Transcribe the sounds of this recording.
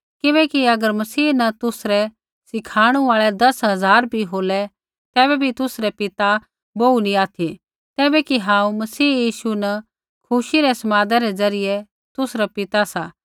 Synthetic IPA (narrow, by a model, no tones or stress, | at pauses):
kɪbɛːkiɐɡəɾmɐsiːnɐt̪ʊsɾɛ | sɪkʰaːɽ̃uaːɭɛd̪ɐsɦɐzaːɾbʱiɦoːlɛ | t̪ɛːbɛbʱit̪ʊsɾɛpɪt̪a | bounĩaːt̪ʰi | t̪ɛːbɛkiɦãːũmɐsiːjiːʃunɐ | kʰʊʃiɾɛsɐmaːd̪ɛɾɛzɐɾɪjɛ | t̪ʊsɾɛpɪt̪asaː